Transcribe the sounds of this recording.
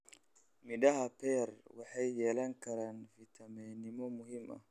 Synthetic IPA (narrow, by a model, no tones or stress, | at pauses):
miɗahapɛɾwaħajːɛlaŋkɐɾanvit̪ʰamɛnimɔmuhimʔa̰